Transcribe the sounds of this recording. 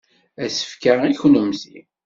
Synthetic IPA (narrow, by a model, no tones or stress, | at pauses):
æsə̥fkəʁiçnumzi